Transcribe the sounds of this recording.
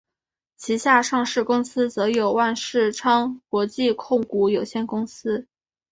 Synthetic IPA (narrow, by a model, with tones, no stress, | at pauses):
t͡ɕʰi˧˥ɕja˥˧ʂɑ˥˧ŋʂɻ̩˥˩kʊ˥ŋsɹ̩˥t͡sɤ˧˥jo˨˩ʊwa˥˧nʂɻ̩˥˩ʈ͡ʂʰɑ˥ŋkwɔ˧˥t͡ɕi˥˧kʰʊ˥˩ŋku˧˥˩jo˨˩ʊɕjɛ˥˩nkʊ˥ŋsɹ̩˥